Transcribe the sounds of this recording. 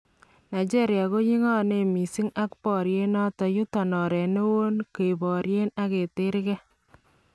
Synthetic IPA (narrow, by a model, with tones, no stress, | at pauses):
na˨jd͡ʒe˦ɾja˨ko˦ɲi˦ŋɔ˦ne˨mi˨si˦ŋa˦kpɔ˨ɾje˦nɔ˦tɔ˨ju˦ta˨nɔ˨ɾɛ˨ne˦wo˦nke˨bɔ˨ɾje˦na˦ke˨te˦ɾkɛ˦